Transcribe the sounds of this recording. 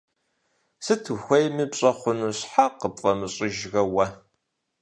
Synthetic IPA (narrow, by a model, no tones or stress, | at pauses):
sɨt̪ʰwxʷɐjmibɕʼɐχʷʊnuɕħaqəpfʼɐməɕʼiʒɣɐwɐ